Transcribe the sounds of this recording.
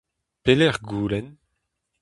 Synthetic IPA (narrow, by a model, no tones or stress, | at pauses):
pelɛʁɡuːlɛn